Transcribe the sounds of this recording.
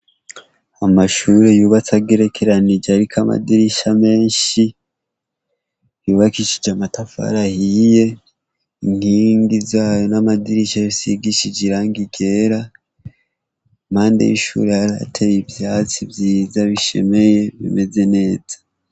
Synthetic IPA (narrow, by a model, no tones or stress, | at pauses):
amaʃuɾe̞juːβat͡saɡeɾe̞kʰeɾanid͡ʒeaɾikʰama̰diɾiʃame̞ːnʃi | juːβakiʃid͡ʒamatafa̰ɾahije̞ | iŋ̥hiːŋɡizaːjo̞namadiɾiʃaisiɡiʃid͡ʒiɾaŋɡiɡe̞ɾa | maːndḛjiʃṵɾehaɾa̰tʰeβibjaːt͡sibjiːzaβiʃe̞̰me̞je̞βḭme̞ze̞ne̞ːzḁ